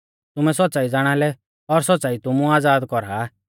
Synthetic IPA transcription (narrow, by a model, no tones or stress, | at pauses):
t̪ʊmɛsɔt̪̚ːt͡saːid͡zaːɽ̃alɛ | ɔɾsɔt̪̚ːt͡saːit̪ʊmũaːd͡zaːd̪kɔɾa